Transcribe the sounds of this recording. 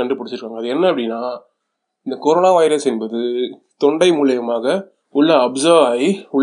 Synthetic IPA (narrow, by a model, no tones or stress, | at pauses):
ɐɳɖɯpɐɽɪt͡ʃːɪɾɯkːaːŋɡɐðɯɛnːɐɐpːɐɽɪnːaː | ɪnd̪ɐkɔɾoːnaːʋɐɪɾɐsɛnbɐðɯ | t̪ɔɳɖɐɪmuːlɐjɐmaːɣɐ | ʊɭːɐɐbsɐːɾʋaːjiʊɭː